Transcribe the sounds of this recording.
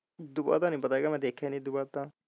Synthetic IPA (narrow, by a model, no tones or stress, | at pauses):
d̪ʊba̰t̪ãːnəĩːpət̪aːeɡaːmɛ̃ːd̪eːkʰːanĩːd̪ʊbaːt̪ãː